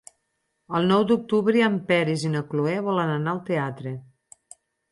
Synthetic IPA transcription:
əlˠnɔwd̪uk̚t̪uβɾiəmpɛɾizinəkluɛβɔlənənaəlˠt̪eat̪ɾe

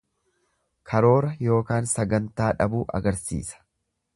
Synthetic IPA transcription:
kʰɐɾo̞ːɾɐjo̞ːkaːnsɐɡɐnt̪aːᶑɐ̰buːʔɐ̰ɡɐɾsḭːsɐ̥

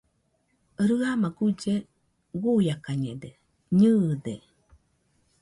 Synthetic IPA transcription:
ɾɨamaɡud͡ʒe | wujakaɲed̪e | ɲɨd̪e

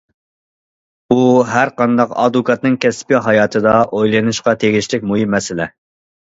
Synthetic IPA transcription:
uɦæɾqɑnd̪ɑqɑ̰d̪ukʰɑt̪̚nɨŋkʲʰɛspiɦɑjɑːt̪ʰɨd̪ɑʔojlˠɨnɨʃqɑt̪ʰeɡʲiʃlɪk̚ʲmujimːɛsɪlɛ

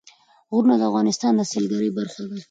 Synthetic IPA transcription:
ɣɾunad̪əavɣɑnɪst̪ɑnd̪əselɡaɾəjbaɾxad̪a

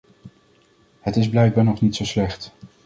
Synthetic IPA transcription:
hətɪzblɛjɡ̚baːnɔχnitsowslɛχt

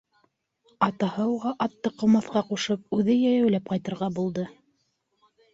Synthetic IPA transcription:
ɑt̪ɑhɤuʁɑʔɑt̪ːɤqŏmɑθqɑquʃɤp̚ʉðɘjæjæwlæp̚qɑjt̪ɤ̆ɾʁɑbulˠd̪ɤ

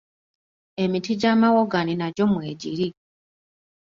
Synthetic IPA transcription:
e̞mitiɟamawoɡaninaɟo̞mweːɟiɾi

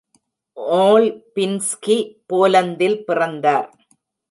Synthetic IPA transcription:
oːlpɪnskipoːlɐnd̪ɪlpɪrɐnd̪aːɾ

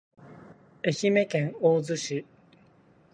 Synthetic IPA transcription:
e̞çime̞kẽŋoːzɨɕi

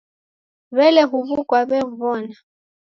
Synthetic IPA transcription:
βɛlɛɦuβukwaβɛɱ̩βɔna

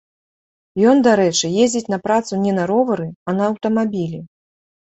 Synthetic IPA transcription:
jɔnd̪aɾɛt͡ʂɨjezʲd͡zʲit͡sʲnɐpɾat̪sunʲɛnɐɾɔvɐɾɨɐnɐːwt̪ɐmabʲilʲi

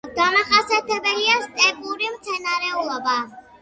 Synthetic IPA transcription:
ɡamaχasiat̪ʰɛbɛliast̪ʼɛpʼuɾimt̪sʰɛnaɾɛulˠɔba

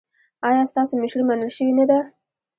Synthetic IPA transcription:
ɑjɑst̪ɑsomɪʃɾumanəlʃəwinad̪a

